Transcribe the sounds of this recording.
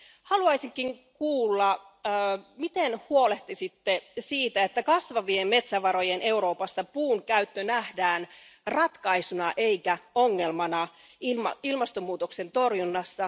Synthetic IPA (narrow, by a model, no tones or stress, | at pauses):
hɑluɑjsiŋkːiŋkuːlːɑː | mit̪enhuo̞le̞ht̪isit̪ːe̞siːt̪æet̪ːækɑsʋɑʋiemme̞t̪sæʋɑɾo̞jenʔe̞uɾo̞ːpɑsːɑpuːŋkæyt̪ːønæhdæːnrɑt̪kɑisunɑʔe̞ikæo̞ŋːe̞lmɑnɑ | imilmɑst̪omːuːt̪okse̞nt̪o̞rjunːɑsːɑ